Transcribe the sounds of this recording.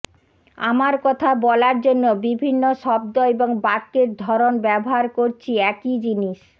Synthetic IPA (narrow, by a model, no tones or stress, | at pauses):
a̰maɾkɔt̪ʰabɔlaɾd͡ʑonːobibʱinːoʃɔb̚d̪oeboŋbaɾkːeɾd̪ʱɔɾonbɛboɦaɾkoɾt͡ɕʰiɛkid͡ʑiniʃ